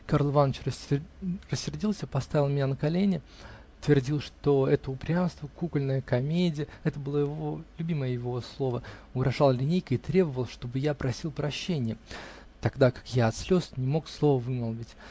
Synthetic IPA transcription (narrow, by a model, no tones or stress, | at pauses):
karlˠvanːət͡ɕrə | rəsʲːɪrdʲilˠsʲəpɐst̪avʲɪlˠmɪnʲanəkɐlʲenʲɪ | t̪vʲɪrdʲilˠʂt̪o̞ɛt̪əʊpɾʲamst̪vəkukəlʲnəjəkɐmʲedʲɪjəɛt̪əbɨlˠojɪvolʲʉbʲiməjəjɪvo̞slˠo̞vəʊɡɾɐʐalˠlʲɪnʲejkəɪt̪ɾʲe̞bəvəlˠʂt̪o̞bɨjapɾɐsʲilˠpɾɐɕːenʲɪjə | t̪ɐɡd̪akḁkjaɐt̪slʲo̞snʲɪmo̞kslˠo̞vəvɨməlˠvʲɪtʲ